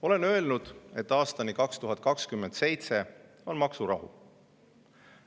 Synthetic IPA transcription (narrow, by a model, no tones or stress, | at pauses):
o̞le̞nø̞e̞lnud̪̥e̞t̪ːɑːst̪ɑnikɑkst̪uɦɑt̪̚ˑkɑkskymːe̞nd̪̥se̞jt̪se̞ | o̞nmɑksuɾɑɦṵ